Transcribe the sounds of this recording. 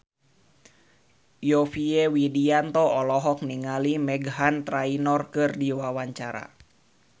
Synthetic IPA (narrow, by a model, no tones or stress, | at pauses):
jɔfiɛwidiant̪ɔɔlɔɦɔk̚niŋalimɛɡɦant̪ɾainɔrkɨrdiwawaɲt͡ʃaɾa̰